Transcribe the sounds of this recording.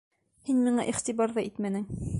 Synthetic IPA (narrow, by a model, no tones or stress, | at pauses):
hinmiɴɑʔiχt̪ibɑɾðɑʔit̪mænɘŋ